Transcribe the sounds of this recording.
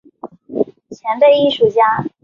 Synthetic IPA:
t͡ɕʰjɛ˧˥npe˥˧ɪi˥˩ʂu˨˩t͡ɕja˥

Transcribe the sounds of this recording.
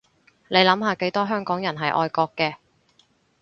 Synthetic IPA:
le˨˧jlɐ˨˧˥mɦaː˨˧ke˨˥jt̪ɔː˥ɦœː˥ŋkɔː˨˥ŋjɐ˨˩nɦɐ˨jʔɔ̰ː˧jkɔː˧kːɛː˧

